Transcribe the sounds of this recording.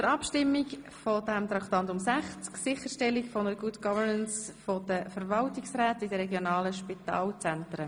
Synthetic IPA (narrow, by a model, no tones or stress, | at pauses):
dəɾɑpʃtɪmːik | fɔd̥ɛmt̪ɾɑktɑntʊmsæχt͡sksɪχəɾʃtɛlikfɔnəɾəɡutɡ̥ɑvəɾnənsfɔd̥əfəɾvɑltɪksɾɛːtɪdəɾɛɡjonɑːləʃpitɑ̰ːlt͡sɛntɾə